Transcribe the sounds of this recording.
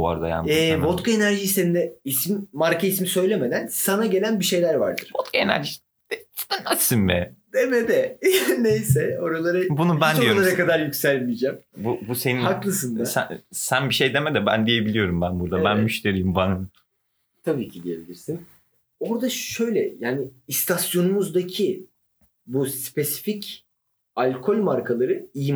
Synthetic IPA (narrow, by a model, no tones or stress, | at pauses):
a̰ɾd̪a̰ja̰nɛbot̪kʰaenæɾʒiːsenid̪ɛisimmaɾkʰaismisø̞jlʲe̞me̞d̪ænsanaɟe̞lʲænbiʃe̞jlʲæɾva̰ɾd̪ɯɾ̥bot̪kʰaenæ̰ɾʒi̥ | anasinmɛd̪emed̪ɛnejsɛo̞ɾalˠaɾɯbunubændoijolˠaɾakʰad̪aɾjycsælʲmijd͡ʒɛmbubuse̞nihaklˠɯs̬ɯnd̪asæ̰sænbiʃe̞jd̪emɛd̪ɛbæ̰nd̪ije̞bilʲijo̞ɾumbænbuɾd̪abænmyʃt̪ʰe̞ɾijːimbanɯm | t̪ʰabiːcʰid̪ije̞bilʲiɾsin | o̞ɾd̪aʃø̞jlʲɛ̰jaːnɪːst̪ʰasjo̞numuzd̪acʰi | buspʰe̞si̥fic | alʲkʰo̞lʲmaɾkʰalˠaɾɯij